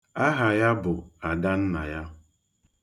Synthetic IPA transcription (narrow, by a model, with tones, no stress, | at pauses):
a˦ɦa˨ja˦bʊ˨a˨da˦n̩˦na̰˨ja˦